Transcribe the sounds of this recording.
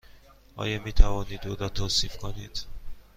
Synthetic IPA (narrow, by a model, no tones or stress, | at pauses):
ʔɒ̰ːjɒːmiːt̪ʰævɒːniːd̪od̪ɒːt̪ʰoːsiːfkʰoniːd̪̥